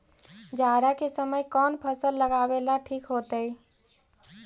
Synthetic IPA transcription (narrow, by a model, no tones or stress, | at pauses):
d͡ʒaɾakesəməjkɔːnpʰəsəlːəɡabelaʈʰiːkɦot̪əi